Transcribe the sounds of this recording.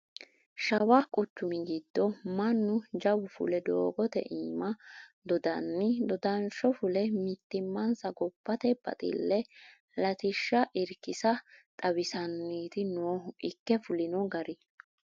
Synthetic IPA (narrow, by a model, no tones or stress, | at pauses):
ʃɐwakʼʊt͡ʃːʊmɪɡɪd̪ːɔmɐnːʊd͡ʒɐwʊfʊ̰lɛd̪oːɡɔt̪ɛ̰ʔiːmɐd̪ɔd̪ɐnːɪd̪ɔd̪ɐnʃɔfʊlɛmɪt̪ːɪmːɐnsɐɡɔpːɐt̪ɛb̥ɐ̰t̪ʼɪ̰lːɛ | lɐt̪ɪʃːɐʔɪɾkɪsɐt̪ʼɐwɪsɐnːiːt̪ɪnoːʊʔɪkːɛfʊlɪnɔɡɐɾɪ